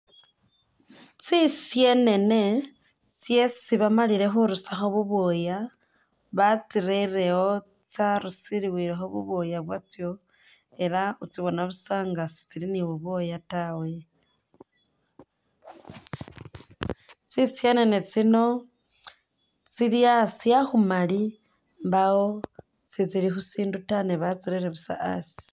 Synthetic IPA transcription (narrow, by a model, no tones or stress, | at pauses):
t͡sisje̞ne̞ne̞ | t͡sje̞siβamaliɾe̞xuɾusaxo̞βuβoja | βat͡siɾeɾe̞o̞ | t͡saɾusiɾiwiɾexo̞βṵβojaβwat͡sjo̞ | e̞ɾaut͡siβo̞naβusaːŋɡasi̥t͡siliniβuβo̞jatawe | t͡sisianenet͡sino̞ | t͡siɾiasiaxumali | mbao | sit͡siɾixusiːndutaneβat͡siɾeɾeβusa̰ʔa̰si̥